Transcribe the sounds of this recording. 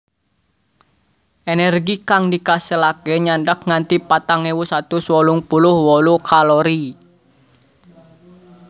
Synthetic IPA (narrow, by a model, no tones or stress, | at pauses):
ʔenɛrɡikaŋdikasəlakeɲaɳɖək̚ŋant̪ipat̪aŋewusat̪uswɔluŋpulʊhwɔlukaloɾi